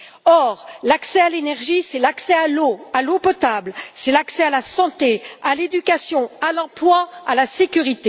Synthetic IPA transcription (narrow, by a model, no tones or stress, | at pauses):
ɔʁlaksɛalenɛʁʒisɛlaksɛaloalopɔt̪ablsɛlaksɛalasɑ̃t̪ealed̪ykʲasjɔ̃alɑ̃plwaalasekʲyʁit̪e